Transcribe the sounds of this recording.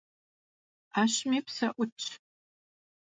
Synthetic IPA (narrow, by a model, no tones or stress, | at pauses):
aːɕmipʰsɐʔʷʊt͡ʃʼʰ